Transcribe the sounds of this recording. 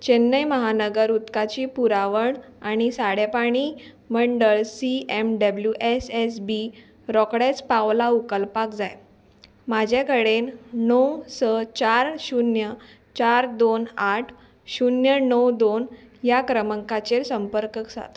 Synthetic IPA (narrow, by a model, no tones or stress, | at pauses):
t͡ɕenːəjməɦanəɡəɾut̪kat͡ɕiːpuɾaʋəɳaɽ̃isaɽepaɽ̃i | məɳɖəɭsiemɖəbljuʔeses̬bi | ɾɔkɽet͡spaʋlaukəlpakd͡zaj | mad͡ʑʱekəɽennəwsət͡ɕaɾɕunjə | t͡ɕaɾd̪onaʈʰ | ɕunjənəwd̪onjakɾəməŋkat͡ɕelsəmpəɾkəksa̰t̪